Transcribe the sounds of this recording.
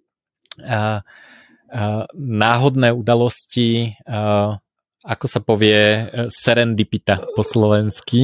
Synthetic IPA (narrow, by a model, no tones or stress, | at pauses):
naːɦɔd̪nɛːud̪alɔsci | akɔsapɔʋɪɛsɛɾɛnd̪ipit̪apɔslɔʋɛnski